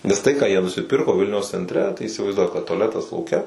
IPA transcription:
ˈnʲɛs tɐɪ kɑː jiɛ nʊsʲɪˈpʲɪrkoː ˈʋʲɪlʲnʲɛʊs t͡sʲɛnʲtʲˈrʲɛ tɐɪ iːsʲɪʋɐɪzˈduɔk kɐt tʊɐˈlʲæːtɐs lˠɐʊˈkʲɛ

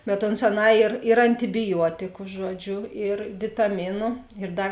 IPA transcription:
bʲɛt ˈoːns ɐˈnɑː ɪr ɪr ɐnʲtʲɪbʲɪˈjuɔtʲɪkʊ ˈʒuɔˌd͡ʒʲʊ ɪr ʋʲɪtɐˈmʲɪnʊ ɪr ˈdɐr

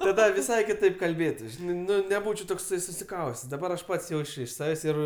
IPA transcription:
tɐˈdɐ ʋʲɪˈsɐɪ kʲɪˈtɐɪp kɐlʲˈbʲeːtʊs ˈʒʲɪnɐɪ nʲɛˈbuːt͡ʃʲɛʊ ˈtoːksɐɪ sʊsʲɪˈkɐʊsʲtʲɛs dɐˈbɐr ɐʃ ˈpɐts ˈjɛʊt͡ʃʲ ɪʃ ˈsɑːʋʲeːsʲ ˈɪr

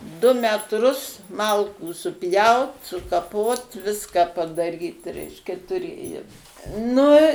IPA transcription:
dʊ mʲɛtˈrʊs ˈmɐlˠkuː sʊˈpʲjɛʊt sʊkɐˈpoːt ˈʋʲɪskɐ pɐdɐˈrʲiːt ˈrʲɛɪʃʲkʲɛ tʊˈrʲeːjoːm ˈnʊ

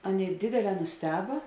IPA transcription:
ˈɑːˌnʲeːɪ ˈdʲeːdʲeːˌlʲɛː nʊsʲˈtʲæːbɐ

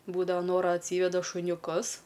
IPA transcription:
ˈbuːdɐʋɐ ˈnoːrɐ ɐtʲˈsʲiːʋʲɛdɐ ʃʊnʲʊˈkʊs

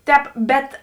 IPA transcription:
ˈtʲɛːp ˈbʲɛt

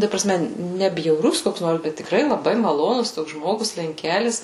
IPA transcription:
tɐ prɐˈsʲmʲɛ ˈnʲɛ bʲjɛʊˈrʊs ˈkoːks ˈnoːrs ˈbʲɛt tʲɪkˈrɐɪ lˠɐˈbɐɪ mɐˈlˠoːnʊs ˈtoːks ˈʒmoːɡʊs lʲɛŋʲˈkʲæːlʲɪs

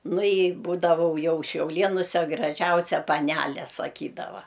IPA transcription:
ˈnʊ ɪ ˈbuːdɐʋɐʊ ˈjɛʊ ʃʲɛʊˈlʲeːnʊsʲɛ ɡrɐˈʒʲɛʊsʲɛ pɐˈnʲælʲɛ sɐˈkʲiːdɐʋɐ

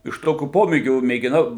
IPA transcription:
ɪʃ ˈtoːkʲuː ˈpoːmʲeːɡʲuː mʲeːɡʲɪˈnɐʊ

